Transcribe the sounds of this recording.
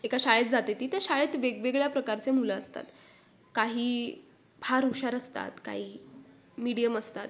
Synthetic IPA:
ekaɕaɭet̪d͡zat̪et̪iːt̪jaɕaɭet̪ʋeɡʋeɡɭjapɾəkaɾt͡semulaəst̪a̰t̪ | kaɦiː | bʱaɾuɕaɾəst̪a̰t̪ka̰ɦiː | miɽijəməst̪at̪

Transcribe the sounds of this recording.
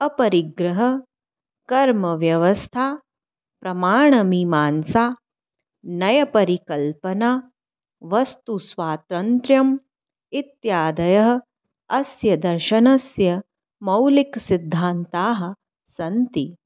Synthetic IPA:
ɐpɐɾiɡɾɐɦɐ̆ | kɐɾmɐʋjɐʋɐst̪ʰaː | pɾɐmaːɳɐmimaːnsaː | nɐjɐpɐɾikɐlpɐnaː | ʋɐst̪usʋaːt̪ɾɐnt̪ɾjɐm | it̪jaːd̪ɐjɐɦɐ̆ | ɐsjɐd̪ɐɾʃɐnɐsjɐ | mɐwliksid̪ʱːaːnt̪aːɦɐ̆ | sɐnt̪i

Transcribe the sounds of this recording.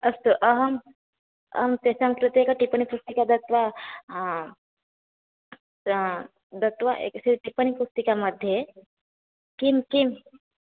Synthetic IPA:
ɐst̪uʔɐɦɐm | ɐ̰mt̪esaŋkɾɪt̪jekaʈipənipust̪ikad̪ɐt̪ʋa | d̪ɐt̪ʋaʔḛksiɾʈipənipust̪ikamɐd̪ʱje | kimkim

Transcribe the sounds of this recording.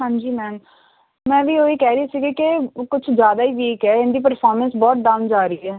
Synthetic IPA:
hãːɲd͡ʒiːmɛːn | mɛ̃ːʋiːoːiːkɛːɾiaːsiːɡaːkɪkʊt͡ʃʰd͡ʒjaːd̪aːiːʋiːkɦɛːɪnd̪iːp̬əɾfʰɔːɾmənsbɔːt̪̚ɖãːʊnd͡ʒaːɾəiːɛː

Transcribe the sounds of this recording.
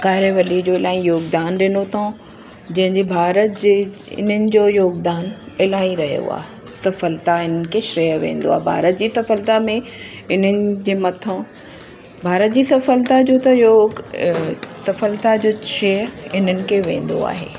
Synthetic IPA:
kaːɦɪɾeʋɐlid͡ʑoːɪlaːĩjoːɡd̪aːnɗɪnot̪ʰa | d͡ʑɐ̃ɦɪ̃ɲd͡ʑebʱaːɾət̪̚d͡ʑeɪ̰nənɪ̆d͡ʑoːjoːɡd̪aːnɪlaːĩɾɐɦijo̰a̰ː | sɐfəlt̪aɪn̤ənɪ̆kʰeʃɾeəʋḛ̃ːn̆d̪o̰aːɦebʱa̰ːɾət̪̚d͡ʑiːsɐfəlt̪amẽ | ɪn̤ənɪ̆d͡ʑeːmɐt̪ʰə̃ | bʱaːɾət̪̚d͡ʑiːsɐfəlt̪ad͡ʑoːt̪ɐjoː | sɐfəlt̪ad͡ʑoːʃeːɾɪn̤ənɪ̆kʰeʋẽːn̆d̪o̰a̰ːɦḛː

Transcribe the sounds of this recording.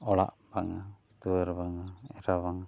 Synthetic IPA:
ɔɭa̰ʔ | baŋa | t̪uəɾbaŋaɛɾaβaŋ

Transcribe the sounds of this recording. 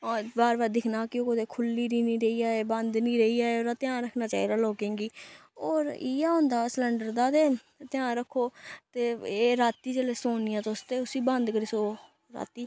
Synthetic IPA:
baːɾbaːɾd̪ɪkʰnaːkɪoːkot̪eːkʰʊlːiːɾiːnĩːɾəiːaːeːbə̃nd̪nĩːɾəiːaːeoːɾat̪ɪjãːɾəkʰnaːt͡ʃaːiːd̪aːloːkẽːɡiːoːɾiːaːɦõːnd̪aːsləɳɖəɾd̪aːt̪eː | t̪ɪjãːɾəkʰːoːt̪eːeːɾaːt̪iːd͡ʒeːleːsoːnɪjãːt̪oːst̪eːʊsiːbə̃nd̪kəɾiːsoː | ɾa̰ːt̪iː

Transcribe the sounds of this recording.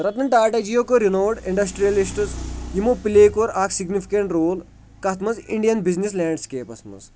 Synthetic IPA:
ɾɐt̪nɐɳʈaːʈɐd͡ʒijokoɾinoːɖiɳɖɐsʈɾijɐlisʈɨt͡sjimopileːkoɾaːksiɡnifʰi̥kɐɳʈɾoːl | kɐt̪mɐzḭɳɖijɐnbiznislaːɳɖskeːpɐsmɐ̰z

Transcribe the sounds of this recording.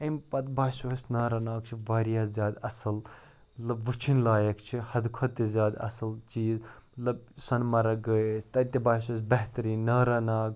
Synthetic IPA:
ɐmpɐt̪̚baːsoɦsnɐːɾɐnaːkt͡ʃʰiʋaːɾijaːzʲjaːd̪ɐsɐl | mɐt̪lɐbʋut͡ʃʰinlaːjɐkt͡ʃʰihɐd̪kʰɐd̪̚t̪izʲjaːd̪ɐ̰sɐlt͡ʃiːzmɐt̪lɐbsɐnmɐɾɐɡəest̪ɐt̪ʲɐbaːsos̬bɐɦt̪ɐɾĩːnɐɾɐnaːk

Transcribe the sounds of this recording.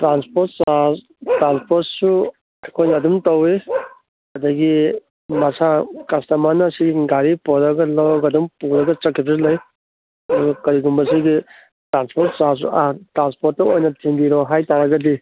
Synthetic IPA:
tɾanspoɾt̚sas | tɾanspʰoɾtsu | ɐkʰojnɐdumtɐwe | ɐdɐɡi | mɐsakɐstɐmanɐsiɡiɡaɾipɔɾɐɡɐlawɐɡɐdumpuɾɐɡɐt͡ʃɐkːeplɐj | ɡkɐɾiɡumbɐsiɡi | tɾanspoɾt̚sas̬ṵatɾanspoɾt̚ːɐojnɐtʰindiɾɔɦajtaɾɐɡɐdi

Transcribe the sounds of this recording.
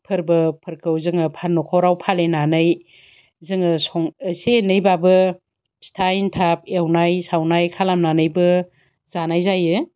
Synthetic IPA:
pʰɯɾbɯpʰɯɾkʰɯwzɯŋɯpʰanːɔkʰɔwɾawpʰalenanɯj | zɯŋɯsɔŋəsenɯjbabɯ | stʰajntʰap̚ewnajsawnajkʰalamnanɯjbɯ | zanajzajɯ

